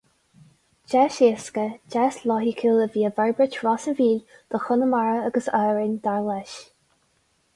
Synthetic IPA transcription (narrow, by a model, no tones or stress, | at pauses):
d͡ʒɛʃeskəd͡ʒɛslɔɦikʰɪləviːəvɛɹbɹət͡ʃɹɔsənviːlʲ | d̪̥ɔxʊnəmaɹəaɡəsœːɹɪnʲd̪aɹlɛʃ